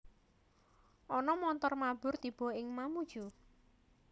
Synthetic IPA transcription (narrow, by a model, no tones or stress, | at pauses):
ʔɔnɔmɔnt̪ɔrmab̥ʊ̤rt̪ib̥ɔ̤ɪŋmamud̥ʒ̥u